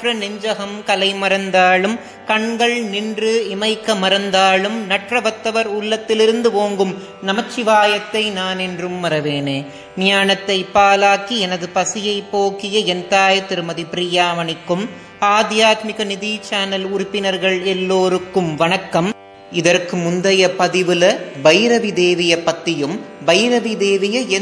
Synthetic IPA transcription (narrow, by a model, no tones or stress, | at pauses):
ʈrɐnɪɲd͡ʒɐɦɐmkɐlɐɪmɐɾɐnd̪aːlɯm | kɐɳɡɐɭnɪndrɯɪmɐɪkːɐmɐɾɐnd̪aːlɯmnɐʈrɐʋɐt̪ːɐʋɐɾʊɭːɐt̪ːɪlɪɾɯnd̪ɯʋoːŋɡɯm | nɐmɐt͡ʃːɪʋaːjɐt̪ːɐɪnaːnɛndrɯmːɐɾɐʋeːneː | nɪjaːnɐt̪ːɐɪpːaːlaːkiɛnɐðɯpɐsɪjɐɪpːoːkɪjɐɛnt̪aːjɐt̪ːɪɾɯmɐðipɪɾɪjaːmɐɳɪkːɯm | aːd̪jaːt̪mɪɣɐnɪðiːt͡ʃaːnɐlʊɾʊpːɪnɐɾɣɐɭɛlːoːɾɯkːɯmʋɐnɐkːɐm | ɪðɐrkɯmʊnd̪ɐjɐpɐðɪʋɯlɐbɐjɾɐʋid̪eːʋɪjɐpːɐt̪ːɪjɯmbɐjɾɐʋid̪eːʋɪjɐɛ